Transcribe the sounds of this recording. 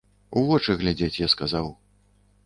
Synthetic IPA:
uvɔt͡ʂɨɣlʲad͡zʲet͡sʲjaskazaw

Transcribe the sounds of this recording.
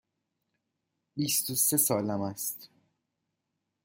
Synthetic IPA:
bist̪ose̞sɒːlæmæst̪

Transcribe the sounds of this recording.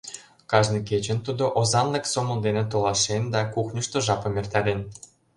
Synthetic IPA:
kɑʒnɤket͡ɕə̆nt̪ud̪oʔozɑnleksomɤ̆ld̪enĕt̪olˠɑʃend̪ɑkuxnʲə̆ʃt̪ŏʒɑpɤ̆mʲert̪ælʲen

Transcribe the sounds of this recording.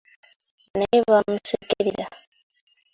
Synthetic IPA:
neβamusekeɾiɾa

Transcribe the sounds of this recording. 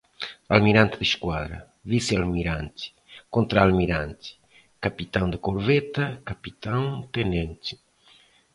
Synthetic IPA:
almiɾãnt̪ɪðiʃkwaðɾɐ̰ | visialmiɾant̪i̥ | kõnt̪ɾaːlmiɾãnt̪i̥ | kapit̪aŋd̪ɪkoɾvet̪akapit̪aŋt̪enẽnt̪i̥

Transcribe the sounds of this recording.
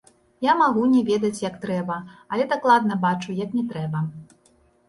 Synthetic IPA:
jamaɣunʲɛvʲed̪ɐt͡sʲjɐk̚t̪ɾɛbɐɐlʲɛd̪aklˠad̪̚nɐbat͡ʂujɐknʲɛt̪ɾɛbɐ

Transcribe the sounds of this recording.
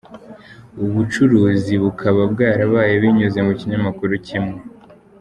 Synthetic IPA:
uβut͡ʃuɾuːziβukʰaβabɡaːɾaβaːjeβiɲuze̞muciɲamakuɾucimŋe̞

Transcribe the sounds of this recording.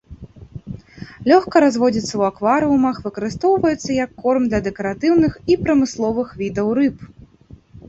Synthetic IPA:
lʲɔxkɐɾazvɔd͡zʲit̪sːɐwakvaɾɨumɐxvɨkɐɾɨst̪ɔwvɐjɛt̪sːɐjɐkːɔrmd̪lʲɐd̪ɛkɐɾat̪ɨwnɨxipɾɐmɨslˠɔvɨxvʲid̪ɐwrɨp

